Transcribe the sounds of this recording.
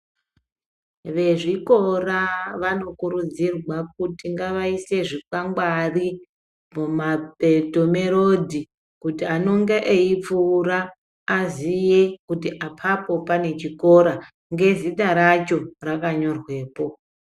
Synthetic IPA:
ʋe̞ʐiko̞raʋano̞kuɾud͡zirwak̚utiŋɡaʋaise̞ʐikwaŋɡwari | mumabʱeto̞me̞ɾodʱi | kutiano̞ŋɡeʔeip͡fuːraː | zije̞kutiʔapʰapo̞pane̞t͡ʃiko̞ɾa | ŋɡe̞ziɗaɾat͡ʃo̞rakaɲo̞rwe̞ːpo̞

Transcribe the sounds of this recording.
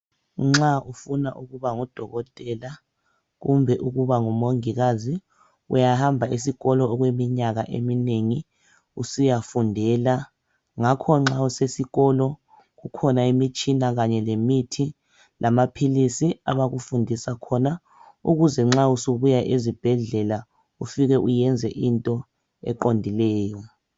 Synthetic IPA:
ŋ͡ǁaufunaʔuɣuβaŋɔd̥ʱɔɣɔtʼɛla | ɣumbʱɛʔuɣuβaŋumoŋiɣazi | ṵjahambʱaisiɣɔlɔɔɣwemiɲaɣa̰ʔḛmineŋi | usijafundʱɛːla | ŋakʰɔŋ͡ǁausesiɣɔlɔ | ɣukʰɔnaimit͡ʃʼinaɣaɲɛlemitʰi | lʔamapʰilisia̰βaɣufundʱisakʰɔna | ṵɣuzɛŋ͡ǁausuβujaʔezib̥ʱɛɮɛla | ufiɣɛʔujɛnd͡zʱɛʔintʼɔ | ɛ̰ǃondʱilɛːjɔ

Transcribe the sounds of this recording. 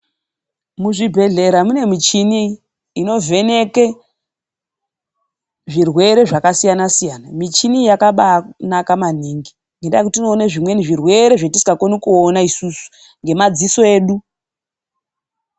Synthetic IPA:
muʐibʱe̞ɮe̞ɾamune̞mit͡ʃiniː | no̞vʱe̞ne̞ke | ʐirwe̞ɾe̞ʐakasijanasijanamit͡ʃinijakaɓakunakaman̤iːŋɡi | ŋɡendajekutino̞ːneʐimwe̞niʐirwe̞ɾe̞ʐetisi̥kakonikuonaisusu̥ | ŋɡe̞mad͡ziso̞e̞ːɗu

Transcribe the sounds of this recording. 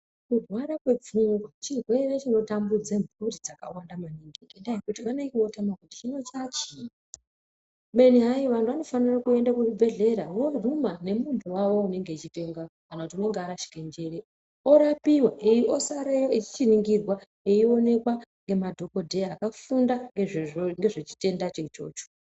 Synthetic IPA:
kurwaɾakwe̞b͡vuŋɡwat͡ʃirwe̞ret͡ʃino̞tambud͡zemburid͡zaka̰wandamaniŋɡiendajekutikanekiwo̞tamakuti̥t͡ʃino̞t͡ʃat͡ʃi | me̞niɦajiʋantʰuʋano̞fanirakue̞ndakuubʱe̞ɮe̞ɾawo̞rumane̞muntʰuwawo̞une̞ŋɡe̞it͡ʃite̞ŋɡakanautione̞ŋɡeaɾaʃi̥kend͡ʒe̞ɾe | oɾapiwaʔeiʔosaɾejoit͡ʃi̥t͡ʃiniŋɡirwa | eio̞ne̞kwaŋɡe̞madʱo̞ko̞dʱe̞aːkafundaŋɡeŋɡe̞ʐet͡ʃi̥te̞ndat͡ʃet͡ʃo̞̰ːt͡ʃo̥

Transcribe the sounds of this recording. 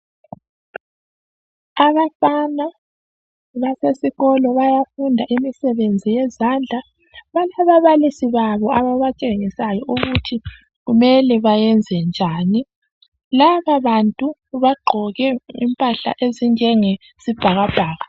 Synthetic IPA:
aβafana | βasesiɣɔlɔβajafundʱaʔimisɛβend͡zʱijɛzand͡ɮʱa | βalaβaβalisiβaβɔaβaβat͡ʃʼeŋisajɔʔuɣutʰi | ɣumɛlɛβajɛnd͡zʱɛnd͡ʒʱaːni | laβaβantʼuβaɡ͡ǃʱɔɣɛimpʼaɬa̰ʔeziŋɛŋɛ | sib̥ʱaɣab̥ʱaːɣa

